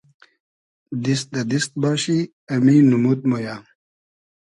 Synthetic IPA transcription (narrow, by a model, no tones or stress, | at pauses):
d̪ist̪̚d̪ɐd̪ist̪̚bɑːɕi | ɐminumut̪̚mojaː